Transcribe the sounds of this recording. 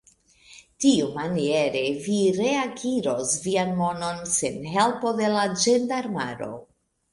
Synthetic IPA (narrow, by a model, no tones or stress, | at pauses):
tiumanieɾe̞viɾe̞aɡiɾo̞svianmo̞no̞nsenɦe̞lpo̞de̞lad͡ʒendaɾmaɾo̞̰